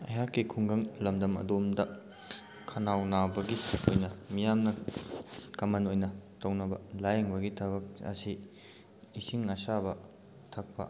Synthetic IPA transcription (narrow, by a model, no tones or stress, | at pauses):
ɐ̰jɦakːikʰuŋɡɐŋlɐmdɐmɐ̰domdɐ | kʰɐnawnabɐɡiojnɐmijamnɐ | kɐmɐnojnɐtɐwnɐbɐ̰lajɐŋbɐɡitʰɐbɐk̚ɐ̰siː | siŋɐsabɐ | tʰɐk̚pɐ̰